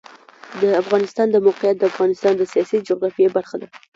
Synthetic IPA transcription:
d̪əafɣɑnɪst̪ɑnd̪əmawqɪjat̪̚d̪əafɣɑnɪst̪ɑnd̪əsijɑsid͡ʒoɣɾɑfjebaɾxad̪a

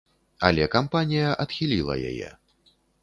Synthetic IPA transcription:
ɐlʲɛkampanʲijɐʔɐt̪xʲilʲilˠɐ̰ja̰jɛ̰

